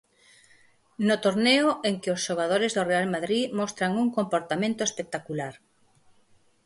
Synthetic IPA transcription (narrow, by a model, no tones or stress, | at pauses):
not̪oɾneʊeŋkɪosʃoɣ̞að̞oɾɪzðorealmaðɾimɔst̪ɾaŋuŋkompoɾt̪amẽnt̪oespek̚t̪akulaɾ